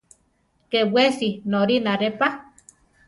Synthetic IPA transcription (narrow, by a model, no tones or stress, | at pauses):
kewwesinoɾinaɾepa